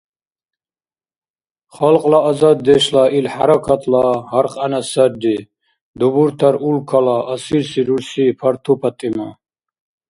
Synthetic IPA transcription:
χalqʼlaːzad̪̚ːɛʃlailħaɾakʰat̪ʰlaɦaɾqʼanasaɾd̪i | d̪ubuɾt̪ʰaɾulkʰalaʔːsiɾsiɾuɾsipʰaɾt̪ʰupʰat̪ʼima

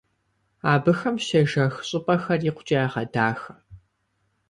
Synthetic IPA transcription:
aːbɨxɐmʃɐʒɐxɕʼɪpʼɐxɐriːqʷʊt͡ʃʼiaːʁɐdaːxɐ

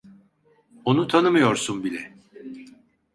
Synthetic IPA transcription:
o̞nut̪ʰanɯmɯjo̞ɾsunbilʲɛ

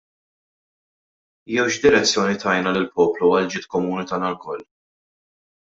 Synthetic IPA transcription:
jɛwʃd̪ɪɾɛt͡sːjɔːnit̪ɐjnɐlɪlpɔːpluɐld͡ʒɪːt̪kɔmuːnit̪ɐːnɐlkɔlː

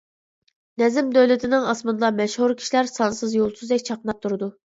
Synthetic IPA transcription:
nɛzɪmd̪øwlɪt̪ʰɪnɪŋɑsmɨnd̪ɑmɛʃhuɾkʲʰi̥ʃilæɾsɑnsɨzjolˠsuzd̪ɛk̚ʲt͡ʃʰɑqənɑp̚t̪ʰuɾɨd̪u

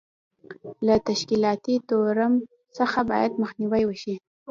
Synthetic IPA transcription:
lat̪aʃkilɑt̪it̪oɾəm | səxabɑ̰jad̪məxniwajwəʃi

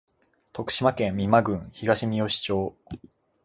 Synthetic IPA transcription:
t̪o̞kɯ̟̥ɕimakẽ̞mːʲimaɡɯ̟̃ɰ̃çiɡaɕimʲio̞ɕi̥t͡ɕo̞ː

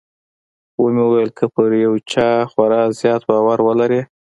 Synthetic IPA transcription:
womewəwajəlkʰəpəɾjawt͡ʃɑxwaɾɑzjɑt̪bɑwaɾwəlaɾe

